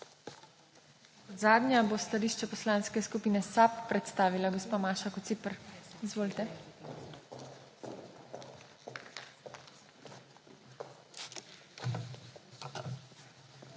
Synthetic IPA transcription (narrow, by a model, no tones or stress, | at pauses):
ɔd̪zaːd̪nʲjabost̪aliːʃt͡ʃɛpɔslaːnskɛskupiːnɛsapːɾɛt̪st̪aːʋilaɡɔspaːmaːʃakɔt̪sipəɾizʋoːlt̪ɛ